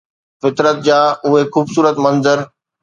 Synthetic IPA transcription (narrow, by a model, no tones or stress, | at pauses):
fɪt̪ɾət̪̚d͡ʑaːʊɦexuːbsuːɾət̪mɐ̃nzəɾ